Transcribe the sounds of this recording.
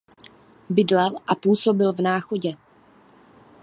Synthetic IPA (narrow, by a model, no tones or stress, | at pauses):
bɪdlɛlʔapuːso̞bɪlvnaːxo̞ɟɛ